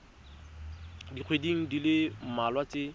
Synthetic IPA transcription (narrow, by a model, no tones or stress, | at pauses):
diq͡χʰwediŋ̩dilɪm̩malwat͡sɪ